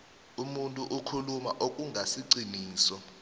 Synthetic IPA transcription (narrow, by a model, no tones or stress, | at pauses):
umuntʼuʔukʰulumaʔok̬ʼuŋʱasiǀiniːsɔ